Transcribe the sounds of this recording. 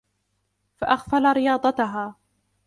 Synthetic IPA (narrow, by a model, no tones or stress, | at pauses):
faʔaxfalaɾɪjɑːd̪ˤɑt̪ʊɦaː